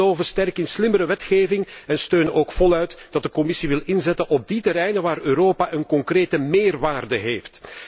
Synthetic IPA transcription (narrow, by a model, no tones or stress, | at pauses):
oːvəstɛrkɪnslɪməɾəʋɛtxeːvɪŋɛnstøːnəoːkfɔlœɥtd̥ɑdəkɔmɪsiʋɪlɪnzɛtənʔɔb̚ditəɾɛjnənʋaːrøːɾoːpaʔənkɔŋkreːtəmeːrʋaːrdəɦeːft